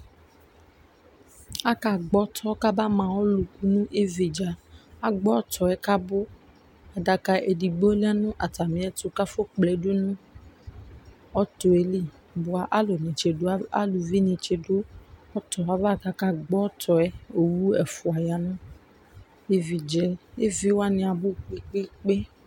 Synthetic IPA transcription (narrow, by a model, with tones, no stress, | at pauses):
a˦ka˨ɡ͡bɔ˦t̪ʰɔ˦ka˦ba˦mã˨wɔ˦lu˨ku˦nũ˦ʔe˦vi˨d͡ʒa˨a˦ɡ͡bɔ˦t̪ɔ˨ɛ˦ka˦bo˦ | a˨ɖa˨ka˨ʔe˨di˨ɡ͡bo˦la˦nũ˦ʔa˨t̪a˨mĩ˨˦ɛ˨t̪o˨ka˦fo˦k͡plɛ˨do˦nũ˦ | ɔ˦to˨e˨li˦ | bʊ˨˦a˨ʔa˦lo˨nĩ˨t͡ʃe˨do˦a˦a̰˦lu˨vi˦nĩ˨t͡ʃe˨do˦ɔ˦tɔ˨a˨˦va˦˨ka˦ka˦ɡ͡bɔ˦tɔ˨ɛ˦o˨wu˦ɛ˨fʊ˨a˨ja˨nũ˦ | e˦vi˨d͡ʒɛ˨e˦vi˦wa˦nɪ̃˨a˨bo˦˨k͡pe˨k͡pe˦k͡pe˦